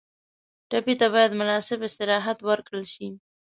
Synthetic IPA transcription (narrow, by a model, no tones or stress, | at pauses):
ʈapit̪abɑjad̪mʊnɑsɪbɪst̪ɪɾɑɦat̪wəɾkɽəlʃi